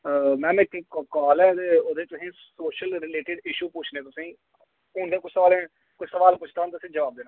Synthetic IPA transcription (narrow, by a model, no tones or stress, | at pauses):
əmɛ̃ːmkkɔːlɛːt̪eːoːd̪eːt̪ʊsĩːsoːʃəlɾɪleːʈɪɖɪʃuːpʊt͡ʃʰnẽːt̪ʊsĩː | ʊɳd̪eːkʊt͡ʃʰsəʋaːlẽː | kʊt͡ʃʰsəʋaːlpʊt͡ʃʰd̪aːnt̪ʊsĩːd͡ʒəʋaːb̚d̪eːnãː